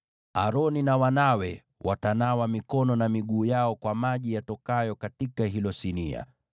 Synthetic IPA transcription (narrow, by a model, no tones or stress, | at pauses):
a̰ɾɔninawanawɛ | wʔatanawamikɔnɔnamiɠuːjaɔkwamaʄijatɔkajɔkatikaɦilɔsinia̰